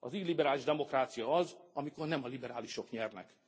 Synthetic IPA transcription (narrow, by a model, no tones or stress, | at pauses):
ɒziːlibɛɾaːliʒd̪ɛmo̞kraːt̪sijɒɒzɒmiko̞rnɛmɒlibɛɾaːliʃo̞kɲɛrnɛ̰k